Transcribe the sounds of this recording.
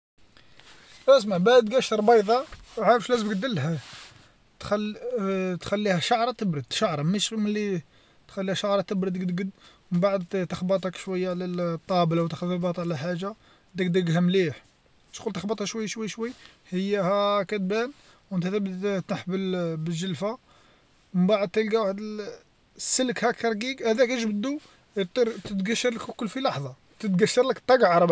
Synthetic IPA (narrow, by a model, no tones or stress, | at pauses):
ʔæzmabaʕd̪ɡæʃt̪ɾˤbɑjðˤɑwʕaɾəfʃlæzəmɡəd̪əlɦæ | t̪xæl | t̪xælːihæʃaʕɾˤɑt̪əbɾəd̪ʃaʕɾˤɑmæʃməlːi | t̪xælːihæʃaʕɾˤɑt̪əbɾəd̪əɡd̪ɡəd̪ | mənbaʕəd̪t̪əxbət̪ˤɑkʃwəjːaʕlæt̪ˤːɑblwt̪æxd̪lbɑt̪ˤʕlælħaʒa | d̪ækd̪æɡɦæmliħ | ʃqult̪əxbət̪ˤhæʃwəjːaʃwəjːʃwəjːhəjːæhækæt̪̚bæn | wənt̪æt̪əbd̪t̪nəħbəlbəʒəlfa | məmbaʕəd̪̚t̪əlɡæwaħd̪ə | sːələkhækːɑɾˤɡiɡhæd̪ækæʒbəd̪u | jət̪ˤiɾt̪ət̪ɡæʃːɑɾˤləkkːʊlːfilɑħðˤɑ | t̪ət̪ɡæʃːɑɾˤləkt̪ˤːɑɡʕɾˤb